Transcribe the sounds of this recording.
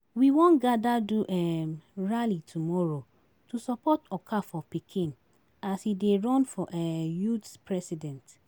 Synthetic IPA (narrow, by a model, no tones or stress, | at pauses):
wiwõnɡadaduʔɛɹalitʰumɔɹo | tusɔpɔtɔkʰafɔpikʰĩn | ashideɹɔ̃nfɔʔɛjutspɹɛsidɛ̃nt